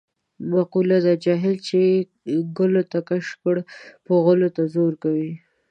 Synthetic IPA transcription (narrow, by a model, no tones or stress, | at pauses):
maqulad̪ad͡ʒɑɦɪlt͡ʃe | ɡʊlot̪akaʃkəɽpoɣʊlot̪azoɾkawi